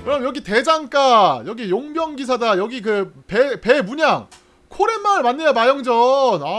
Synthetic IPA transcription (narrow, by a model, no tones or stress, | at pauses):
kɯɾʌmjʌɡite̞d͡ʑaŋk͈ajʌɡijoŋbjʌŋɡisʰadajʌɡikɯpepe̞muɲaŋ | kʰoɾemːaɯɭmanːejamajʌŋd͡ʑʌna